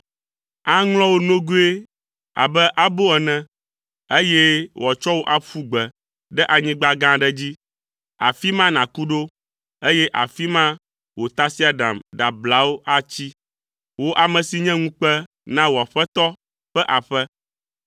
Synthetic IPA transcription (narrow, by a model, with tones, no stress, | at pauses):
a˦ŋlɔ̃˦wo˦nõ˦ɡu˦e˦ | a̰˨bɛ˦ʔa˨bo˦ɛ˨nɛ̃˨ | e˦jɛ˦wɔ˨t͡ʃɔ˦wo˦ʔa˨ɸu˦ɡ͡bɛ˨ | ɖɛ˦ʔa˨ɲĩ˦ɡ͡ba˦ɡã˦ɖɛ˦d͡ʑi˦ | a̰˨fi˦mã˦nã˨ku˦ɖo˦ | e˦jɛ˦ʔa̰˨fi˦mã˦ | wo˨t̪a˦si˦a˨ɖã̰˨mɖa˨bla˨˦wo˦ʔa˦t͡ɕi˦ | wo˦ʔa˨mɛ̃˨si˨ɲɛ̃˦ŋũ˦k͡pɛ˦ | nã˦wo˨a˨ɸɛ˦t̪ɔ˦ | ɸɛ˦ʔa˨ɸɛ˦